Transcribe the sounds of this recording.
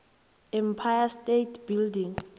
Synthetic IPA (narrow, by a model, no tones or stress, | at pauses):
ɛmpʰajastetʰbildiŋ